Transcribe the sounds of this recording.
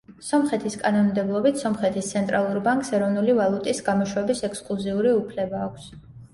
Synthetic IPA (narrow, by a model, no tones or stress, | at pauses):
sɔmχɛt̪ʰiskʼanɔnmd̪ɛblˠɔbit̪ʰsɔmχɛt̪ʰist̪sʰɛnt̪ʼɾalˠuɾbaŋkʼsɛɾɔvnulivalˠut̪ʼisɡamɔʃwɛbisɛkskʼlˠuziuɾiupʰlɛbaːkʷʰs